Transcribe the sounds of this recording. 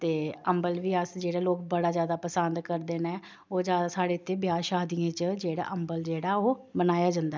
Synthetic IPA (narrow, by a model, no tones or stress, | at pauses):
t̪eːəmbəlʋiːəsd͡ʒeːɽeːloːkbəɽaːzjaːd̪aːpəsənd̪kəɾd̪eːnɛ̃ː | oːd͡ʒjaːd̪aːsaːɽeːt̪ʰːeːbjaːʃaːd̪ijãːt͡ʃd͡ʒeːɽa̰ːʔəmbəld͡ʒeːɽaːoːbənaːjaːd͡ʒənd̪a